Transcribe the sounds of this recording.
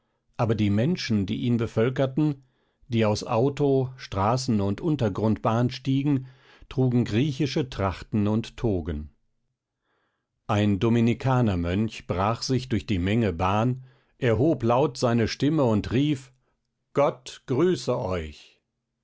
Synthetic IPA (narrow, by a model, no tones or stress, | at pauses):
ʔaːbɐdiːmɛnʃn̩dḭːʔiːnbəfœlkɐtn̩ | d̥iːaʊsʔaʊtoʃtʁ̥aːsn̩ʊntʔʊntɐɡʁʊntb̥aːnʃtiːɡŋ̩ | tʁ̥uːɡŋ̩ɡʁiːçɪʃətʁ̥aχtn̩ʊntːʰoːɡən | ʔaɪndominikʰaːnɐmœnçb̥ʁaːχz̥ɪçd̥ʊɐçd̥iːmɛŋəbaːn | ʔɛɐɦoːplaʊtz̥aɪnəʃtɪməʊntʁiːf | ɡ̥ɔtɡ̥ʁyːsəʔɔʏç